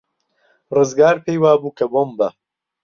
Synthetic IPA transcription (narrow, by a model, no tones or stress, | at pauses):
rɨzɡaːɾpʰejwaːbuːkʰɐbombɐ